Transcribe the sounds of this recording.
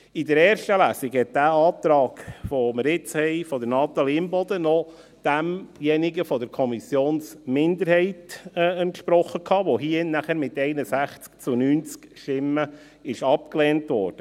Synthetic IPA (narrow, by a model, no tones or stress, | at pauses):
idəɾɛːɾʃtəlæːsiɡhɛt̚d̥æːɑːt̪ɾɑːɡfoməɾɪt͡shɛɪfɔd̪əɾnɑːt̪ɑlimbɔd̪ənɔ | d̪̥æmjɛniɡəfɔd̪əɾkʰɔmisjoːnsmɪnd̪əɾhɛɪtːəntʃpɾɔχəkʰhɑːʋɔɦiənæχəɾmɪt̪ɛɪnəsæχt͡skt͡sunyːnt͡skʃtɪmə | ɪʃɑp̚kleːntʋɔ̰ːɾd̥ə